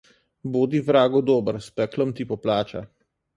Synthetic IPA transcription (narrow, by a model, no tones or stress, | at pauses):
boːd̪ivɾaːɡɔd̪ɔːbəɾspɛkləmt̪ipɔplaːt͡ʃa̰